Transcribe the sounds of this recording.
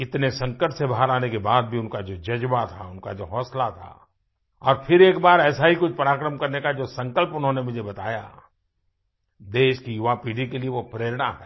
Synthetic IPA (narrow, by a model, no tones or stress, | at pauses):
ɪt̪nesɐ̃ŋkəʈsebʱaɦaɾaːnekebaːd̪̚bʱiʊnkad͡ʒoːd͡ʒɐd͡ʒbat̪ʰa̰ʊnkad͡ʒoːɦɔːslat̪ʰa̰ː | ɔ̰ːɾpʰɪɾeːkbaːɾɛːsaɦikʊt͡ʃʰpɐɾaːkɾəmkɐɾnekad͡ʒoːsɐ̃ŋkəlpʊnɦõnemʊd͡ʒʱebɐt̪aːja̰ | d̪eːʃkijʊʋapiːɖikelieʋopɾeːɾɽa̰ɦɛː